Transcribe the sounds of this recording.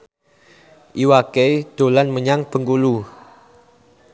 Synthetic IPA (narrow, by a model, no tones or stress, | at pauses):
ʔiwakejd̥olanməɲaŋpəŋɡulu